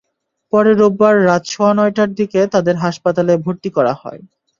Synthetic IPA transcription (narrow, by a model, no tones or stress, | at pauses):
pɔɾeɾobːaɾːat̪ʃʰoanɔjʈaɾd̪iket̪ad̪eɾɦaʃpat̪alebʱoɾt̪ikɔɾahɔ̰e